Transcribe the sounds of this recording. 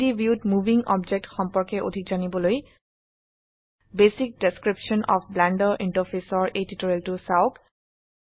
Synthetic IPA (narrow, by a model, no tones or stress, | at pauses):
ibʱjudmuvʱiŋɔbd͡ʒek̚txɔmpɔɹkɛʔo̰dʱikzanibɔloj | besik̚deskɹipʃɔnʔɔ̰pʰblandɔɹʔintɔɹfʰesɔɹʔejtitoɹeltʊsaʊk